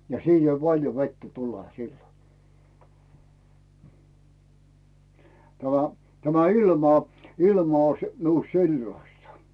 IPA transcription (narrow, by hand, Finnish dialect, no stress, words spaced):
jɑ siːn ei pɑlʲjo ʋetːæ tule silːo tæmæ tæmæ ilmɑ ilmɑ oĭs miust si̞lːɑstɑ